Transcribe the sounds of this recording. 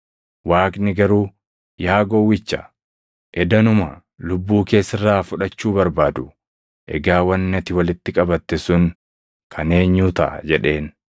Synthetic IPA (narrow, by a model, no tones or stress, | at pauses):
waːknɪɡɐɾuː | jaːɡɔwːɪt͡ʃːɐ̥ | ʔɛd̪ɐnʊmɐ | lʊbːuːke̞ːsːɪrːaːfʊᶑɐt͡ʃːuːbɐɾbaːd̪ʊ | ʔɛ̰ɡaːwɐnːɐt̪ɪwɐlɪt̪ːɪkʼɐbɐt̪ːɛsʊŋ | kʰɐne̞ːɲːuːt̪ɐ̰ʔɐ̰d͡ʒɛᶑe̞ːn